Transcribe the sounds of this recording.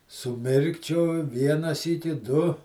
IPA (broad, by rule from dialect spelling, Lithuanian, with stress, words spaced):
sʊˈmʲɪrkt͡ʃʲoːj ˈʋʲiɛnɐ ˈsʲiːkʲɪ ˈdʊ